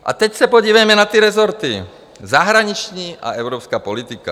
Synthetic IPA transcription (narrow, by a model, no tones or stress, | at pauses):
ʔa̰t̪ɛcsɛpoɟivɛjmɛnat̪iɾɛzoɾt̪i | zaɦɾaɲit͡ʃɲiːʔa̰ʔɛvɾopskaːpolit̪ika